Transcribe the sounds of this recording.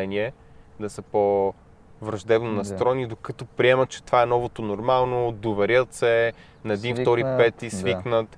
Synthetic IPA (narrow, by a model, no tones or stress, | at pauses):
ɛniɛ | d̪ɐsəpo | vɾɐʒd̪ɛbnonɐst̪ɾɔɛnid̪okət̪opɾiɛmət̪̚t͡ʃɛ̥t̪ovaɛnɔvot̪onoɾmalˠnod̪ovɛɾʲjət̪sɛ | nɐɛd̪inft̪ɔɾipɛt̪isviknət̪